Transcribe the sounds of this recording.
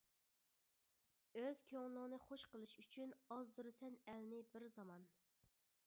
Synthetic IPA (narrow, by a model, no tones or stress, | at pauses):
øz̥kʲʰøŋlˠəʁənɨχoʃqəlˠɨʃyt͡ʃʰynɑzd̪uɾɨsɛnælnɪbɪɾzɑmɑn